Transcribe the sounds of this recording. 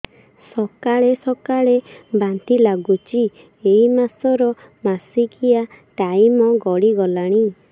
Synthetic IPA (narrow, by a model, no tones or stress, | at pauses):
sɔkaɭesɔkaɭebant̪ilaɡut͡ʃi | eɦimasɔɾɔ | masikia | ʈaimɔɡɔɽiɡɔlaɽ̃i